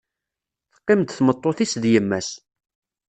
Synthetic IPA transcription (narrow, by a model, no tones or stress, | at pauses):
θqːɪmt̪θmət̪ˤːoθisðjəmːæs